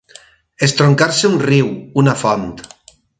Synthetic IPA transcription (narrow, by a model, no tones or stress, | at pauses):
est̪ɾoŋkaɾseunriwunafɔnt̪